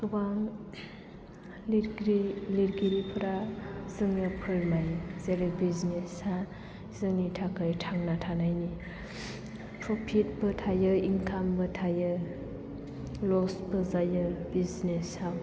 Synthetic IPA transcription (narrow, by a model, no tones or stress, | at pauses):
kɯbaŋ | liɾɡɾiliɾɡiɾipʰɯɾazɯŋnapʰɯɾmajzeɾɯbiznesa | z̥ɯŋnitʰakɯjtʰaŋnatʰanajni | pɾɔpʰit̚bɯtʰajɯiŋkʰambɯtʰajɯ | lɔsbɯzajɯbiznesaw